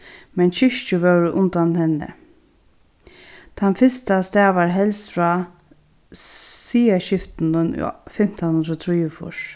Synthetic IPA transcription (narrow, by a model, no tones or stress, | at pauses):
mɛnɕɪʃt͡ʃəʋœwɾʔʊnt̪anhɛnːə̰ | t̪ʰanfɪst̪ast̪ɛːʋaɹɦɛlst̪fɾaː | siːaɕɪft̪nən̰fɪm̥t̪anhʊnd̪ɾɔt̪ʰɾiːəfʊ̰ʂ